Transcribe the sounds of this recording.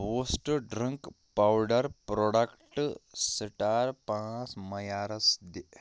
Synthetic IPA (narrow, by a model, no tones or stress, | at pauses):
ʋosʈɖɾəŋk | pawɖɐɾpɾɔɽɐkʈsəʈaɾpãt͡smɐjaːɾɐsd̪i